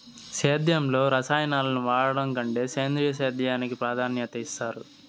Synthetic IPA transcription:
seːd̪jɐmlo̞ːɾɐsaːjɐnaːlɐnuʋaːɽɐɽɐŋkɐɳʈe̞ːseːnd̪ɾijɐs̬eːd̪jɐjaːnikipɾaːd̪ʱaːnjɐt̪ɐist̪aːɾṵ

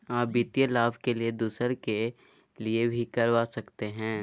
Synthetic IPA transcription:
aːbit̪ijelaːbkelied̪uːsəɾke | liebʱikɐɾʋaːsɐkt̪eɦɛ̃ː

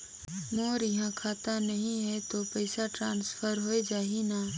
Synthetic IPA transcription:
moːɾjɐɦãkʰaːt̪anɐɦĩɦɛt̪opɛɪsaʈɾãːnsfʰəɾɦoed͡ʒaːɦinaː

